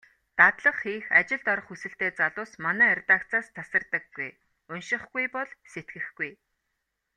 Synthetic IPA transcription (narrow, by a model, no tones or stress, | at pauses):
t̪at̪ɮə̆χxiːxat͡ɕɪ̆ɮt̪ɔɾɞ̆χusɘ̆ɬt̪eːt͡saɮʊːsmanæːærʲt̪aːkt͡saːst̪t͡sʰasə̆rt̪ə̆kːuj | ʊnʃɪ̆χɡujpɔɮset̪ɡɘ̆xɡuj